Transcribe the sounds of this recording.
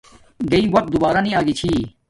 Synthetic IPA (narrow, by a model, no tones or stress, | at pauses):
ɡɐiwɐk̚t̪̚d̪ubaːɾanĩaːɡit͡ɕʰiː